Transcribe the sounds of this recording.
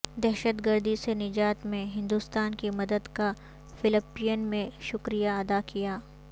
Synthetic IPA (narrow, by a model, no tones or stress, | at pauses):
d̪ɛɦʃət̪ɡəɾd̪isenɪd͡ʒaːt̪mẽɦɪ̃nd̪uːst̪aːnkimɐd̪əd̪ka | fɪlɪpːijənmẽʃʊkɾijaɐd̪akijaː